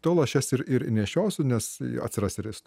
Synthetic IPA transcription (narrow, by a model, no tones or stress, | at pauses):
t̪oːlˠɐʃʲɛsɪɾɪɾɪnʲɛʃʲoːsʲʊnʲɛsɐ̰t̪sʲɪrɑsɪɾʲɪst̪